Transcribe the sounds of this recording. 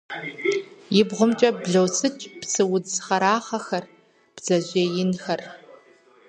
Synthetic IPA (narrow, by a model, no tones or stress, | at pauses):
jɪbʁʷʊmt͡ʃʼɐbɮɐwt͡sʰʼɨt͡ʃʼpt͡sʰɨwʊd͡zχɐɾaːχɐxɐr | b̥z̥ɐʑʷeːjɪnxɐr